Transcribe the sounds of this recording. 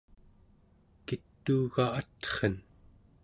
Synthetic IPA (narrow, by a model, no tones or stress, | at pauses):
kit̪ːuːɣaat̪χən